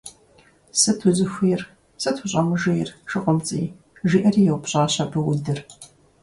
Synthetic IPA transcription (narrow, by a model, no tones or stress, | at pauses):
sɨtʰuzɨxʷiːr | sɨtʰʊɕʼɐmɨʒɐjɛrʈ͡ʂʰɨqʊmt͡sʼḭː | ʒiːʔɐrijɛwpɕʼaːɕɐbɨwʊdɨr